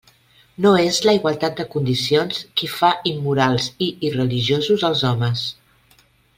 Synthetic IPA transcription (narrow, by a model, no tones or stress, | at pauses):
noezləiɣwəlˠt̪at̪̚d̪əkund̪isionskifaʔimːuɾalˠziːrəliʒiozuzəlˠzɔməs